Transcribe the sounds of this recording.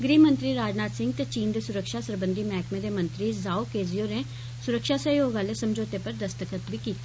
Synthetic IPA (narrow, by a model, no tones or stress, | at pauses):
ɡɾiːmə̃nt̪ɾiːɾaːd͡ʒnaːt̪sɪ̃ŋɡ̚t̪eːt͡ʃiːnd̪eːsʊɾəkʃaːsəɾbənd̪iːmɛːkʰmẽːd̪eːmə̃nt̪ɾiːzaːokeːzijoːneː | sʊɾəkʃaːsəɦjoːɡãːleːsəmd͡ʒoːt̪eːpəɾd̪əst̪əkət̪ʋiːkiːt̪ḁ